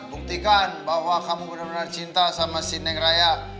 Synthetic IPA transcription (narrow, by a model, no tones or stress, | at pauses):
buk̚t̪ikanbaɦwakamubənabənart͡ʃint̪asamasinɛŋraja